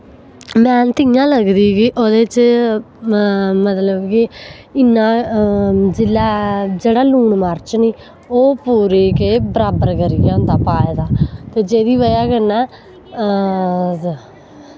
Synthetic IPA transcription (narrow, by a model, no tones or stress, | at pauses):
mɛ̃ːnt̪ɪjãːləɡd̪iːkɪʔoːd̪eːt͡ʃ | mət̪ləbkɪ | ɪnːãː | d͡ʒɪlːaːd͡ʒeːɽaːluːɳməɾt͡ʃniː | oːpuːɾeːkeːbəɾaːbəɾkəɾiːɡɛːʊ̃nd̪aːpaːeːd̪aːt̪eːd͡ʒeːd̪iːʋəjaːkənːɛː